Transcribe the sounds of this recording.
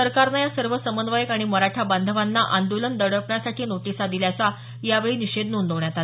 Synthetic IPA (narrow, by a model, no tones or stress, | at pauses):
əɾkaɾnajasəɾʋəsəmənʋajəkaɽ̃iməɾaʈʰaband̪ʱəʋanːaʔand̪olənd̪əɽəpɳjasaʈʰiːnoʈisad̪iljasa | jaʋeɭiːniɕed̪nund̪əʋɳjat̪al